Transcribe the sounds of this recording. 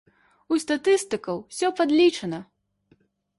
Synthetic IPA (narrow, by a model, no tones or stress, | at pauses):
ust̪at̪ɨst̪ɨkɐwsʲɔpad̪lʲit͡ʂɐnɐ